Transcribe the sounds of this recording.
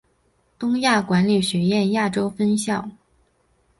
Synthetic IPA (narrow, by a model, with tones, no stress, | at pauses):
t̪ʊ˥ŋja˥˩kwa˧˥nli˨˩ɕɥɛ˧˥jɛ˥˧nja˥˩ʈ͡ʂo˥ʊfə˥nɕjɑ˥˩ʊ